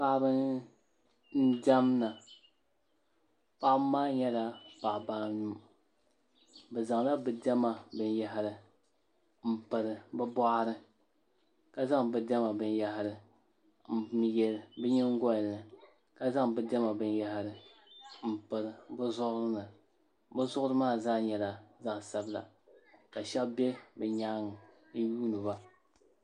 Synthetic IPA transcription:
pa˦bɨ˦n | n̩˦da˦mna˨ | pa˦ʔmaː˦ɲɛ˦la˦pa˨baː˦nu˦ | bɨ˨za˨ŋla˦bɨ˨dɛ˦ma˨bɨ˨nja˦ɦɾɨ˨ | m̩˦˨pɨ˨ɾɨ˨bɨ˦bɔ˦ʔɾɨ˦ | ka˨za˦ŋbɨ˨dɛ˦ma˨bɨ˨n˦ja˦ɦɾɨ˨ | m̩˨˦m˦jɛ˨lɨ˨bɨ˦ɲɪ˦ŋ˦ɡɔ˦lnɨ˨ | ka˦za˦ŋbɨ˦dɛ˦ma˨bɨ˨nja˦hɪ˦˨ɾɨ˨m̩˨pɨ˨ɾɨ˨bɨ˦zʊ˦ʔʊ˦ɾɨ˦nɨ˨ | bɨ˦zʊ˦ʔʊ˦ɾɨ˦maː˦˨za˦ɲɛ˨la˨za˦ʔsa˦bɨ˦la̰˨ | ka˨ʃɛ˦lbe˦bɛ˨ɲaː˦ŋɨ˨˦ | juː˦nɨ˨ba˦

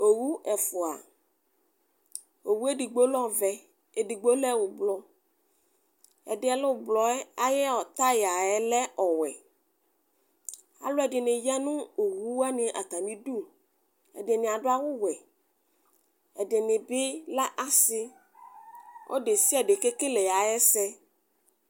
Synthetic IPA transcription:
o˨wu˦ʔɛ˨fʊ˨a̰˨ | o˨wu˦e˦di˨ɡ͡bo˦lɔ̃˦vɛ˨ | e˨di˨ɡ͡bo˦lɛ˦˨wʊ˨blɔ˨ | ɛ̰˨dɪ˨˦ɛ˨lʊ˦˨blɔ˨ɛ˦a˨jɛ˦ɔ˨t̪a˦ja˨ɛ˨lɛ˦ɔ˨wɛ˨ | a̰˨lʊ˦ɛ˨dɪ˨nɪ̃˨ja˦nũ˦o˨wu˦wa˦nɪ̃˨ʔa̰˨t̪a˨mĩ˦ɖu˦ | ɛ̰˨dɪ˨nɪ̃˨a˨ɖʊ˦a˦wʊ˦wɛ˨ | ɛ˨dɪ˨nɪ̃˨bɪ˦la˦ʔa˨sɪ˦ | wʔɔ̰˦ɖe˨si˦ɛ˨ɖe˨ke˦ke˦lɛ˨ja˨ɛ˦sɛ˦

